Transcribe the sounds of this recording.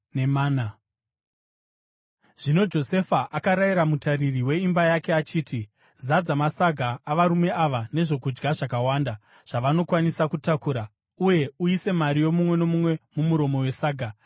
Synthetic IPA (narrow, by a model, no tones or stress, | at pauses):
nemaːna | ʐ̥ino̞d͡ʒo̞se̞faʔakaɾaiɾamutaririwe̞imbajake̞at͡ʃiːti | zad͡zamasaɡʱaːʋaɾume̞ʔaʋane̞ʐo̞kud͡ʒɡaʐakawaːnda | ʐ̥aʋano̞kwanisakutakuːɾa | uje̞uise̞maɾijo̞mumwe̞no̞mumwe̞mumuɾo̞mo̞we̞saːɡʱa